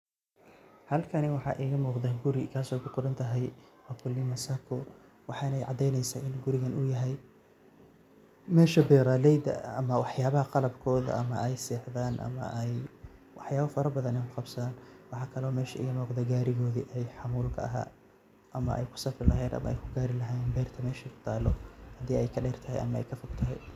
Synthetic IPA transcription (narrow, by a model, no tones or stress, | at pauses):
hɐlkʰɐnɛwɑħɑ̰ʔiːɣɐmuːqðɐɡʊɾɪkʰaːsɔːjkʰʊqʊɾɐnt̪ʰɐɦɛjwaːkʰʊlːɪmɐsɐkʰʊ | wɑħɑnɛjʕɑ̰d̪ɛjnɛjsaːʔɪnɡʊɾɪɣɐnʊjɐɦɛj | mɛːʃɐbɛːɾaːlɛjd̪ɐ̰ɐmɐwɑħjaːβɐhɐqɑlɐbkʰɔːðɐ̰ʔɐmɐ̰ʔɛjsɛːħðaːnʔɐ̰mɐ̰ʔɛjwɑħjaːβɐfɐɾɐbɐðɐnɛjkʰʊqɑbsɐðaːnwɑħɑːkʰɐlɔːmɛːʃɐʔɪjmɔːqd̪ɐɡaːɾɪɣɔːðiʔɛjħɑmuːlkʰɐ̰ɐɦa̰ː | ʔɐmɐʔɛ̰jkʰʊ̥sɐfrɪlɐɦɛːd̪ɐ̰mɐ̰ɛ̰jkʰʊɡaːɾɪlɐɦaɛnbɛːrt̪ʰɐmɛːʃɛkʰʊ̥t̪ʰaːlɔhɐd̪iːɛjkʰɐɖɛːrt̪ʰɐɦɛ̰jʔɐ̰mɐɛ̰jkʰɐfʊɡt̪ʰɐɦɛ̰